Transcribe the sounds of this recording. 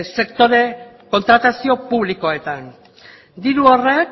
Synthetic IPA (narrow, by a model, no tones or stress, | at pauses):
se̞kt̪o̞ɾe̞ | ko̞nt̪ɾat̪asio̞puβliko̞e̞t̪an | d̪iɾuo̞rek